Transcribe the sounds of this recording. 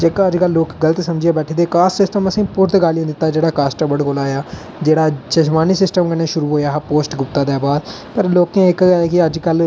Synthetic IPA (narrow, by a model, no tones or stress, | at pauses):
d͡ʒeːkãːəd͡ʒkəlːoːkɡələt̪səmd͡ʒeːbɛːʈʰed̪eːkaːssɪsʈəməsĩːpʊɾt̪ɡaːlɪiãːd̪ɪt̪ːaːd͡ʒeːɽaːkaːsʈəɾbəɽkoːlaːjaː | d͡ʒeːɽaːt͡ʃəʃmaːniːsɪsʈəmkəneːʃʊɾuːɦoːjaːɦpoːsʈɡʊp̚t̪aːd̪eːbaːd̪ | pəɾloːkẽːɪkːaːeːkɪəd͡ʒkəl